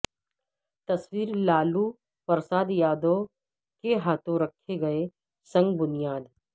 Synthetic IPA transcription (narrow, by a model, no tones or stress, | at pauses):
t̪ɐswiːɾlaːlu | pəɾsaːd̪jaːd̪o | keɦaːt̪ʰõɾɐkʰeɡɐe | sɐ̃ŋɡbʊnijaːd̪